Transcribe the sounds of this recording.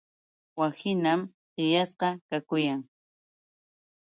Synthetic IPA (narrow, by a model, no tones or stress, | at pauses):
wasɪnam | ɢɪjasqɑkakʊjaŋ